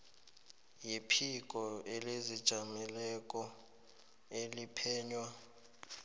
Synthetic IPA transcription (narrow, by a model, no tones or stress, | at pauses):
jipʰik̬ʼɔelezid̥ʒ̥ʱamɛlɛk̬ʼɔ | elipʰɛːɲwa